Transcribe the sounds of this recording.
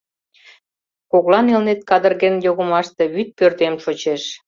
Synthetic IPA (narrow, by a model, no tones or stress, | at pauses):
koɣlɑnelnet̪̚kɑd̪ə̆rɣenjoɣə̆mɑʃt̪eβyt̪̚pørt̪emʃot͡ɕeʃ